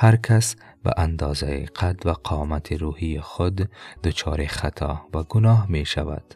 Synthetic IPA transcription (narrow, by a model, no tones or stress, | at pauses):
haɾkʰas | ba̰ʔand̪ɒːzaḭqʰat̪vaqʰɒmat̪ʰiɾuhijiχʊd̪ːʊt͡ʃʰɒːɾeχat̪ʰɒ̰vaɡʊnɒɦmeʃava̰d̪̥